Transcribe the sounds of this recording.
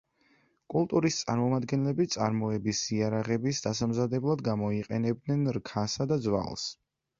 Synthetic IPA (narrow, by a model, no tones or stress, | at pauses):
kʼulˠt̪ʼuɾist̪sʼa̰ɾmɔmad̪ɡɛnlɛbit̪sʼa̰ɾmɔɛbisiaɾaʁɛbisd̪asamzad̪ɛblˠad̪ɡamɔiqʼɛnɛb̚d̪nɛnɾkʰasad̪ad̪zwa̰lˠs